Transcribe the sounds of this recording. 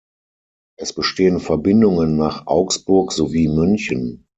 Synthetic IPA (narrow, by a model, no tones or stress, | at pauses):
ʔɛsb̥əʃteːənfɛɐbɪndʊŋənːaːχʔa̰ʊksb̥ʊɐkz̥oviːmʏnçən